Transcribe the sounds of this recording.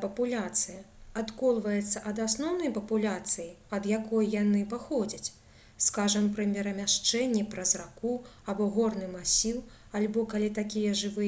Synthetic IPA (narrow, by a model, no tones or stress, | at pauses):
pɐpulʲat̪sɨjɐat̪kɔlˠvɐjɛt̪sːɐʔɐd̪asnɔwnɐjpɐpulʲat̪sɨjiɐd̪jakɔjjanɨpaxɔd͡zʲɐt͡sʲ | skaʐɐmpɾɐmʲɛɾɐmʲaʂt͡ʂɛnʲːɛpɾɐzraku | abɔɣɔrnɨmasʲiw | alʲbɔkalʲit̪akʲijɐʐɨvɨ